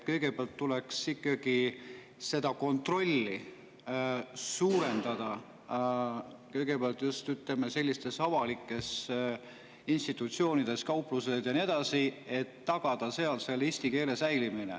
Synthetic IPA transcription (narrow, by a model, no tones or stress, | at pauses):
t̪̚kɤ̞jɡ̥e̞peɑlt̪ːule̞ksikːˑɑɡ̥i | se̞d̪̥ɑko̞nt̪ro̞lʲːi | suːɾe̞nd̪̥ɑd̪̥ɑ | kɤ̞jɡ̥e̞peɑlt̪ˑjust̪yt̪lemese̞lːist̪e̞sɑvɑlikːˑe̞s | inst̪it̪ːˑut̪sio̞ːnid̪̥e̞skɑwpːˑluset̪jɑnie̞d̪̥ɑsie̞t̪ːɑɡ̥ɑd̪̥ɑse̞ɑlt̪selːist̪ike̞ːle̞sæjliminḛ